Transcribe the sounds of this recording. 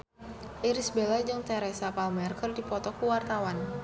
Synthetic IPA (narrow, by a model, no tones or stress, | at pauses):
ʔiɾisbelad͡ʒɨŋt̪ɛɾɛsapalmɛrkəldipɔt̪ɔkuwart̪awan